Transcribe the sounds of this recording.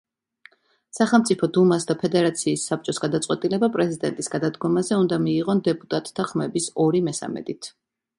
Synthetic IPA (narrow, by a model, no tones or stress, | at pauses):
saχɛlˠmt̪sʼipʰɔd̪umasd̪apʰɛd̪ɛɾat̪sʰiːsːap̚t͡ʃʼɔsɡad̪at̪sʼwɛt̪ʼilɛbapʼɾɛzid̪ɛnt̪ʼisɡad̪ad̪ɡɔmazɛund̪amiːʁɔnd̪ɛpʼut̪ʼat̪ʼːʰaχmɛbisɔɾimɛsa̰mɛ̰d̪it̪ʰ